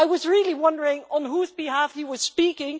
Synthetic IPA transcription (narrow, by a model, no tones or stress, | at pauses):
aɪwʌzɹɪlˠiwʌ̃ndə˞ɪ̃ŋə̃nɦuzbɨɦæfhiwʌz̥spikɪ̃ŋ